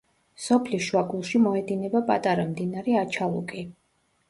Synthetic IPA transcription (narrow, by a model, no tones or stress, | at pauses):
sɔpʰliʃwaɡulˠʃimɔɛd̪inɛbapʼa̰t̪ʼaɾamd̪inaɾɛat͡ʃʰalˠṵkʼi